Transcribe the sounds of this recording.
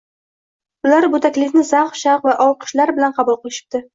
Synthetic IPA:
ʊlaɾbʊt̪ʰakʲlɪkʲnɪzaqʃɑqvaʔɒw̚qʰɨ̥ʃlaɾbɪlanqʰɑbʊlˠqɨlˠɪʃɪ̥p̚t̪ɪ

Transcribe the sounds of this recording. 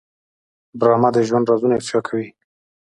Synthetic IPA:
bɾɑmad̪əʒwand̪ɾɑzunaɪft̪ɪʃɑkʰawi

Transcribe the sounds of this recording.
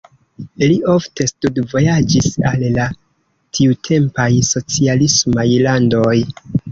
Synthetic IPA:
liʔo̞fte̞studvo̞jad͡ʒisalla | tʰiutʰe̞mpajso̞t͡sialismajlando̞j

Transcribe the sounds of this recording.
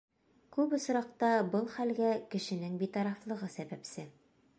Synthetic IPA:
kʉpŏsɾɑq̚t̪ɑbɤlˠχælɡækɘ̆ʃɘ̆nɘŋbit̪ɑɾɑflˠɤ̆ʁɤsæbæpsɘ

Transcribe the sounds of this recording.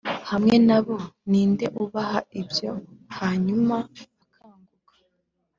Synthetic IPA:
hamŋe̞naβo̞niːnde̞ʔuβaɦaibjo̞haːɲumaː | kʰaːŋɡuɡḁ

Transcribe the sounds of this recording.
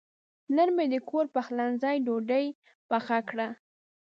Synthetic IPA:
nənmed̪əkoɾpəxlanzɑjɖoɖəj | baxakɽa

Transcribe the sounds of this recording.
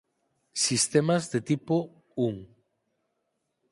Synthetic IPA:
sist̪emazðet̪ipo | uŋ

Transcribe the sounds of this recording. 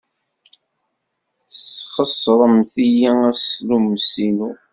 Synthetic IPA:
χəsˤːɾˤəmθijææslumsinu

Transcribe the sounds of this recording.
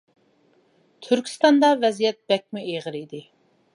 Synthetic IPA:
t̪ʰyɾkʲʰi̥st̪ɑnd̪ɑvɛzijɛt̪̚b̥ɛk̚ʲmuʔeʁəɾid̪ɪ

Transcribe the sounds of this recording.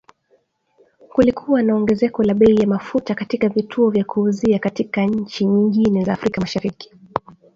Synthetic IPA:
kulikʰuwanaɔŋɡɛzɛkɔlaɓɛijamafutakatikavitʰuɔvjakʰuːziakatikaɲ̩t͡ʃiɲiŋɡinɛzaːfɾikamaʃaɾiki̥

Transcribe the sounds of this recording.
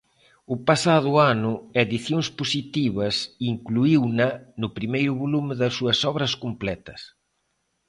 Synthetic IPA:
ʊpasaðʊanʊeðiθjoŋspusit̪iβɐsiŋkluiwnɐnʊpɾimejɾʊβolumɪðɐsːuɐsɔβɾɐskumplɛt̪ɐ̥s

